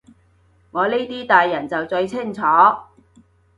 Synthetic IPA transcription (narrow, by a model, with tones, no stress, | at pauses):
ŋɔː˨˧ni˥t̪iː˥t̪aː˨jːɐ˨˩nt͡sɐ˨wt͡ʃɵ˧ɥt͡sʰɪ˥˩ŋt͡sʰɔː˨˥